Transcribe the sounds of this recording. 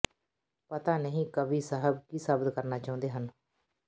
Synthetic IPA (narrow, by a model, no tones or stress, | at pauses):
pət̪aːnəɦĩːkəʋiːsəɦəb̚kiːsəbət̪kəɾnaːt͡ʃaːʊ̃nd̪eːɦən